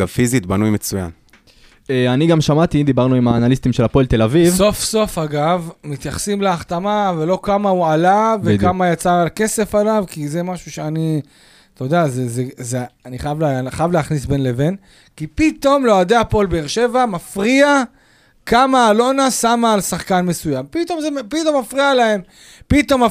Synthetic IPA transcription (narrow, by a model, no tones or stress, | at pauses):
avfizit̪banujmet͡suja̰n | eaniɡamʃamat̪id̪ibaʁnuimaːnalist̪imʃelhapolt̪e̞lavivso̞fso̞faɡavmit̪jaχsimleaχt̪amavelo̞kamaualavekamajat͡saːlke̞se̞falavkize̞maʃuʃe̞ani | t̪od̪eazezezeaniχajavlχajavleaχnisbe̞nle̞ve̞n | kipit̪o̞mload̪eapo̞lbeːʁʃe̞vamafʁia | kamaːlo̞nasamaːlsaχkanme̞sujampit̪o̞mzepit̪o̞mːafʁialae̞m | pit̪o̞mːa